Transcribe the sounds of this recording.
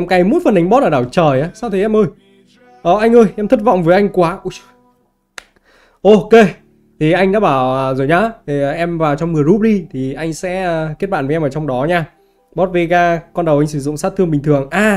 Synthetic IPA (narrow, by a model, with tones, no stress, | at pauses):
ʔɛ˧mkaː˨˦jmo˧˥t̚fə˨˩nʔa˨˦jŋ̟ɓɔ˦˥t̚əː˧˩ɗaː˧˩wt͡ɕəː˨˩jʔaː˨˦saː˧wt̪ʰi˨˩ʔɛ˧mʔəː˧j | ʔəː˨˩ʔa˧jŋ̟ʔəː˧jʔɛ˧mt̪ʰə˦˥t̚vɔ̰˧˨wŋ͡mvəː˨˦jʔa˧jŋ̟kwaː˨˦ʔu˧˦˩ | ʔo˧ke˧ | t̪ʰi˨˩ʔa˧jŋ̟ɗa̰ː˧˥ɓaː˧˩wəː˨˩zoː˨˩jɲaː˧˦˨ʔɛ˧mvaː˨˩wt͡ɕɔ˧wŋ͡mmɨ˨˩əjzu˦˥p̚ɗi˧t̪ʰi˨˩ʔa˧jŋ̟sɛ̰˧˥ə˨kt̚ɓa̰ː˧˨nvɛ˧mʔəː˧˩t͡ɕɔ˧wŋ͡mɗɔ˨˦ɲaː˧ | ɓɔ˦˥t̚vi˧kaː˧kɔ˧nɗə˨˩wʔa˧ŋ̟sɨ˧˩zʊ̰˧˨ŋ͡msaː˦˥t̪ʰːəŋɓï˨˩ŋ̟t̪ɨ˨˩əŋʔaː˧